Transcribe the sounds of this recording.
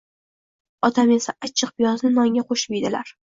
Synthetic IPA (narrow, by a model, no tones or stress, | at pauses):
ɒt̪ʰame̞saat͡ʃʰːɨq̚pɪjɒznɪnɒŋɡʲaqʰoʃmijd̪ɪlaɾ